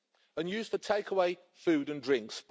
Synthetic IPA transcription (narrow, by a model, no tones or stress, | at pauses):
ə̃njʉːz̥fətʰeɪkʰəweɪ | fʉːdə̃ndɹɪ̃ŋksp